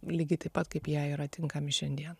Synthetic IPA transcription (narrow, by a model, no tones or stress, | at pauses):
lʲiːɡʲɪt̪ɐɪpɐt̪kɐɪpjæːiːɾɐt̪ʲɪŋkɐmʲɪʃʲɛnʲd̪ʲiɛn